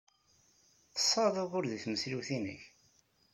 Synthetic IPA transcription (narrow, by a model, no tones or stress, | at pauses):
θə̥sˤːɑðˤəʁʊɾðiθməsliwθinə̰ç